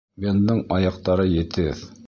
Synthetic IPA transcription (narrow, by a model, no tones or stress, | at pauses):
bʲend̪ɤɴɑjɑq̚t̪ɑɾɤjɘ̆t̪ɘð